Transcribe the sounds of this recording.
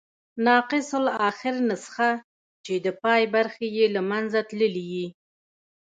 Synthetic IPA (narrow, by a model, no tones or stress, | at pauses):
nɑqɪsolɑxɪɾnasə̥xa | t͡ʃed̪əpɑjbaɾxejelamanzat̪ləliji